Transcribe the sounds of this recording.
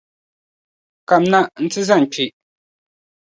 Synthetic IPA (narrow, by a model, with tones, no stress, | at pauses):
ka˨mna˦ʔn̩˦t͡sɨ˦za˦˨ŋ̩˨t͡ʃi˨ʔ